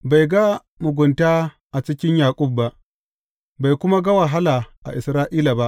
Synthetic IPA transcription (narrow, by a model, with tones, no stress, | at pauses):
ba˨jɡa˦ | mʊ˨ɡʷʊ˨ntaː˦ | ʔa˨t͡ʃɪ˦kʲɪ˦ɲjaː˨kʷʼʊ˦˨b̚ːa˦ʔ | ba˨jkʷʊ˦ma˦ɡa˦wɐ˨ɦa˦laː˨ʔa̰˨ʔɪ̰˨sɾaː˦ʔiː˦la˨ba˦ʔ